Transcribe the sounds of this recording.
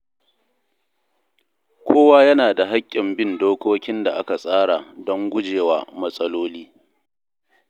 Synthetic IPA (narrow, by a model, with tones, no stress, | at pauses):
kʷʰoː˦waː˦jɐ˦naː˨da˨ɦa˦kʲʼːɪ˨mbɪ˦ndoː˦kʷoː˦kʲɪ˦nda˨ʔa˦ka˨sʼaː˦ɽa˨dɔ˦ŋɡʷʊ˦d͡ʒeː˨wa̰ː˨mɐ˦sʼɐ˦loː˦liː˦